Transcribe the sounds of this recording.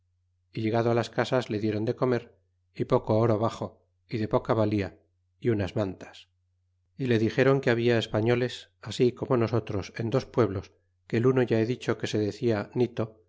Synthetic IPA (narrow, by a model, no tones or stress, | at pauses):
iʎe̞ɣaðoalaskasazle̞ðje̞ɾo̞nd̪e̞ko̞me̞ɾ | ipo̞kooɾoβaχo̞ | iðe̞po̞kaβalia | iunazmant̪ḁs | ile̞ðixe̞ɾo̞ŋkeaβ̞iae̞spaɲo̞le̞sasiko̞mo̞no̞so̞t̪ɾo̞se̞nd̪o̞spwe̞βlo̞s | kelunoʝae̞ðit͡ʃo̞ke̞se̞ðe̞θianit̪o̞